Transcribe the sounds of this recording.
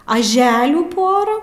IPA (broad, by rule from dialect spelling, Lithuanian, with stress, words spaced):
ɐˈʒʲæːlʲuː ˈpoːrɑː